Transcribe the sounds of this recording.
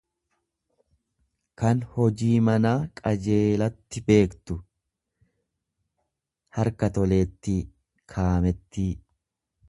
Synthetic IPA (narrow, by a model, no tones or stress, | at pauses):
kɐnhɔd͡ʒiːmɐnaːkʼɐd͡ʒe̞ːlɐt̪ːɪbe̞ːkt̪ʊ | hɐɾkɐt̪ɔle̞ːt̪ːi | kʰaːmɛt̪ːi